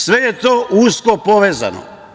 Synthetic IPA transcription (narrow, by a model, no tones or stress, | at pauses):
sʋejet̪oːʔuskopoʋeːza̰no̰